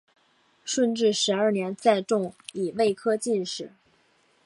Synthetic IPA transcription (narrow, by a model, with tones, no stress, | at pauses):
ʂə˥˧nʈ͡ʂɻ̩˥˩ʂɻ̩˧˥ɐ˞˥˩njɛ˧˥nt͡sa˥˧ɪʈ͡ʂʊ˥˩ŋi˨˩we˥˩ɪkʰɤ˥t͡ɕi˥˧nʂɻ̩˨˩˦